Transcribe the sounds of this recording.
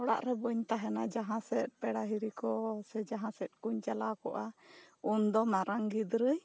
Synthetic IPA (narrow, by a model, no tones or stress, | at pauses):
ɔɽa̰ʔɾɛbəɲt̪aɦɛnad͡ʒaɦãsɛt̪̚pɛɽaɦiɾikɔsɛd͡ʒaɦãsɛt̪̚ˀkuɲt͡ʃalakɔʔa | und̪ɔmaɾaŋɡid̪ɾəj